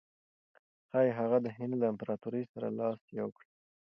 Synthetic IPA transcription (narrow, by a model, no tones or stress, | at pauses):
xɑjɦaɣad̪əɦɪnd̪laɪmpɾɑt̪uɾəjsaɾa̰lɑsjawkɽi